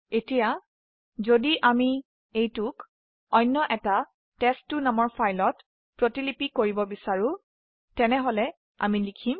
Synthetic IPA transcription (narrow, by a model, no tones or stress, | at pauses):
etija | zodiʔami | ejtʊk | ɔjnːɔʔɛta | tɛstːʊnamɔɹpʰajlɔt | pɹotilipikoɹibɔbisaɹʊ | tɛnɛɦolɛ | a̰milikʰim